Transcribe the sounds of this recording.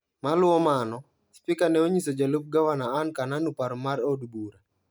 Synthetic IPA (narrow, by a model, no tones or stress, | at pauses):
malʊɔmanɔ | spikanɛoɲisod͡ʒalup̚ɡawanaːnkananupaɾmaɾodbuɾa